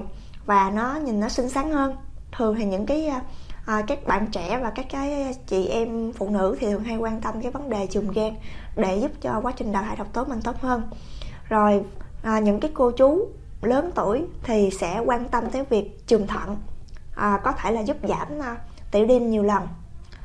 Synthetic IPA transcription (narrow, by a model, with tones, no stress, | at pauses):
vaː˨˩nɔ˨˦ɲi˨˩nːɔ˨˦sï˧ŋ̟saː˨˦ŋhəː˧nt̪ʰɨ˨˩əŋt̪ʰaː˨˩ɲɨ̰˧˥ŋkaː˨˦jʔəː˨˩kaː˦˥k̚ɓa̰ː˧˨nt͡ɕɛ̰˧˩˥vaː˨˩kaː˦˥kːaː˨˦jt͡ɕḭ˧˨ʔɛ˧mfṵ˧˨nɨ̰˧˥t̪ʰi˨˩t̪ʰɨ˨˩ɦa˧jkwaː˧nt̪ə˧mkaː˨˦jvə˨˦nɗe˨˩t͡ɕɨ˨˩mɣɛː˧ŋɗe˧˩zu˦˥p̚t͡ɕɔ˧kwaː˨˦t͡ɕï˨˩ŋ̟ɗa̰ː˧˨t̪ʰaː˧˩jɗə˨˩w̚k͡p̚t̪o˨˦jmï̟˨˩t̪o˦˥t̚həː˧n | zo˨˩jʔaː˨˩ɲɨ̰˧˥ŋkaː˨˦jko˧t͡ɕu˨˦ | ləː˨˦nt̪u˧˩əjt̪ʰi˨˩sɛ̰˧˥kwaː˧nt̪ə˧mt̪e˨˦jvi˨˩ək̚t͡ɕɨ˨˩mt̪ʰə̰˧˨nʔəː˨˩kɔ˨˦t̪ʰe˧˩laː˨˩zu˦˥p̚za̰ː˧˩mː˧t̪ḭ˧˩əɗi˧mɲi˨˩əwlə˨˩n